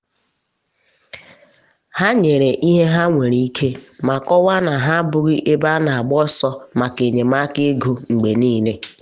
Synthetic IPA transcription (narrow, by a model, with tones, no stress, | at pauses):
ha˦ɲe˨ɾe˨ʔi˦ɦe˦ɦa˦ŋʷe˨ɾi˦i˦kʰe˦ma˨kɔ˦wa˦na˨ɦa˦bʊ˨ɣɪ˦ʔe˦ba˦na˨a˨ɡ͡bɔ˦sɔ˦ma˨ke˨ɲe˨ma˦kɪ˦ɡo˦ŋ͡m̩˨ɡ͡be˨niː˦le˦